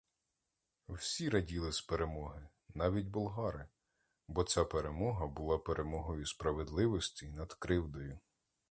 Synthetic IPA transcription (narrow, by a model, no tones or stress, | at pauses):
wsʲiɾɐdʲilˠɪspeɾe̞mɔɦɪ | nɑʋʲitʲbʊlˠɦɑɾɪ | bɔt͡sʲapeɾemɔɦɐbʊlˠɑpeɾʔe̞mɔɦɔjʊspɾɐʋed̪lˠɪʋɔsʲtʲinɐd̪kɾɪwd̪ɔjʊ